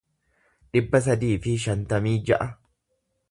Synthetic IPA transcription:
ᶑɪbːɐs̬ɐd̪iːfɪʃɐnt̪ɐmiːd͡ʒɐʔɐ

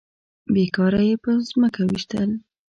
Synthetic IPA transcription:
bekɑɾajepəzməkawiʃt̪əl

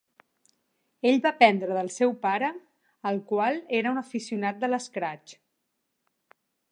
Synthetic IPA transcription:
eʎβapɛnd̪ɾəðəlˠsɛwpaɾəː | lˠkwalˠeɾəunəfisiunat̪̚d̪ələskɾat͡ʃ

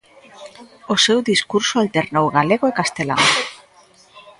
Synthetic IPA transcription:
osewðiskuɾsoalt̪eɾnowɣaleɣoekast̪ela̰ŋ

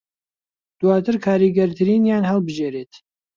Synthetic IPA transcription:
d̪̥waːt̪ʰɨɾkʰaːɾiːɡɐɾt̪ʰɨɾiːnjaːnɦɛlˠbɨʒeːɾeːt̪

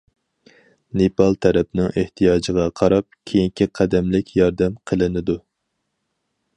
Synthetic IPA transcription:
nepɑlˠt̪ʰɛɾɛpnɪŋʔeht̪ʰijɑːd͡ʒəʁɑqʰɑɾɑp̚kʲʰejiŋkʲʰiqʰɛd̪ɛmlɪkʲjɑɾd̪ɛmqʰəlˠɨnɨd̪u

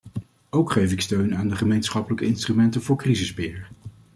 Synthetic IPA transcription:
owkχejfɪkstøɥnaːndəχəmejnsχɑpələkəɪnstrymɛntənvʊːɹkrizəzbɪːɹ

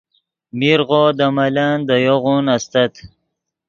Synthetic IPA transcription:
miɾʁoːd̪amaland̪əjoʁunast̪at̪

